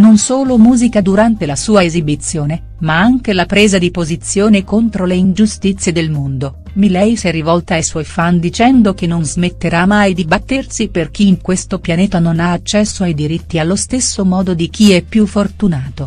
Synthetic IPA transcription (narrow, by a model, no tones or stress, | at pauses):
nonsoːlomuːzikad̪uɾant̪elasuːaezibit̪sːjoːne | maaŋk̟elapɾeːzad̪ipozit̪sːjoːnekont̪ɾoleind͡ʒust̪it̪sːjed̪elmond̪o | milɛjsɛrːivɔlt̪aːjswɔjfand̪it͡ʃɛnd̪ok̟enːonzmet̪ːeɾamajd̪ibat̪ːersiperk̟iːŋkwest̪opjanɛːt̪anonaːt͡ʃːɛsːoajd̪iɾit̪ːialːost̪esːomɔːd̪od̪ik̟iɛpːjufːort̪unaːt̪o